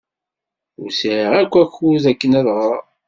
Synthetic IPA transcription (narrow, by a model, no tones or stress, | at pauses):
ʊɾsiɾiʁækʷːæçuzækːənæðʁəɾˤ